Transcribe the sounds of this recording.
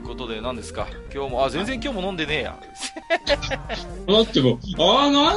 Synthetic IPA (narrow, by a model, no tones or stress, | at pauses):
ko̞t̪o̞d̪e̞nãnd̪e̞sɨ̥ka̰kʲo̞ːmo̞azẽnzeŋkʲo̞ːmo̞nõ̞nd̪e̞ne̞ːja̰ | s | nat̪ːemoana